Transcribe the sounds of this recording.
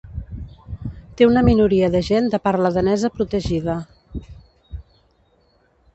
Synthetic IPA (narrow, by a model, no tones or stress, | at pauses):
t̪eunəminuɾiəðəʒend̪əpaɾləðənɛzəpɾut̪əʒiðə